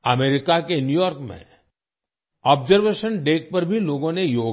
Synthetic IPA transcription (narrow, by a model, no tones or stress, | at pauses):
ɐmeːɾɪkakenjuːjɔːɾkmḛ̃ | ɔːbzəɾʋeːʃənɖeːk̚pɐɾbʱiloːɡõnejoː